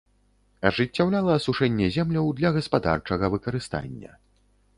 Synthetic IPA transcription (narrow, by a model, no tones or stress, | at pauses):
ɐʐɨt͡sʲːawlʲalˠɐːsuʂɛnʲːɛzʲɛmlʲɐwd̪lʲɐɣɐspad̪a̰rt͡ʂɐɣɐvɨkɐɾɨst̪a̰nʲːɐ̰